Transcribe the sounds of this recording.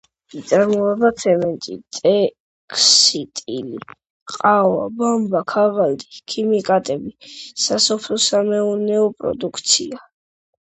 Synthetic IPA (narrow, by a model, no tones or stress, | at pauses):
it̪sʼaɾmɔɛbat̪sʰɛmɛnt̪ʼḭt̪ʼɛ | kʰsit̪ʼḭli | qʼawa̰bambakʰavald̪ikʰimikʼat̪ʼɛbisasɔpʰlɔsamɛunɛɔpʼɾɔ̰d̪ukʰt̪sʰḭa